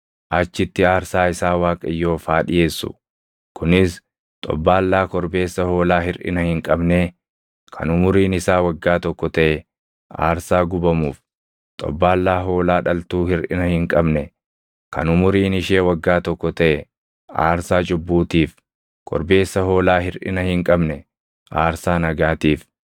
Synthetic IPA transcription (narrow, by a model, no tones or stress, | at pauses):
ʔɐt͡ʃːɪt̪ːɪaːɾsaːɪsaːwaːkʼɐjːo̞ːfaːᶑɪje̞ːsːʊ̰ | kʊnɪs | t̪ʼɔ̰bːaːlːaːkɔɾbe̞ːsːɐho̞ːlaːɦɪɾʔɪ̰nɐhɪŋkʼɐbne | kʰɐ̰nʊmʊɾiːnɪsaːwɐɡːaːt̪ɔkːɔt̪ɐʔɛ | ʔa̰ːɾsaːɡʊbɐmuːf | t̪ʼɔ̰bːaːlːaːɦo̞ːlaːᶑɐlt̪uːhɪɾᶑɪ̰nɐhɪŋkʼɐbnɛ | kʰɐ̰nʊmʊɾiːnɪʃeːwɐɡːaːt̪ɔkːɔt̪ɐʔɛ | a̰ːɾsaːt͡ʃʼʊbːuːt̪iːf | kʰʼɔ̰ɾbe̞ːsːɐho̞ːlaːɦɪɾᶑɪ̰nɐhɪŋkʼɐbnɛ | ʔaːɾsaːnɐɡaːt̪iːf